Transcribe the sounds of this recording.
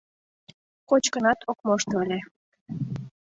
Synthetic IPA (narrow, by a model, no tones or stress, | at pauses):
kot͡ɕkənɑt̪ʰokmoʃt̪lʲe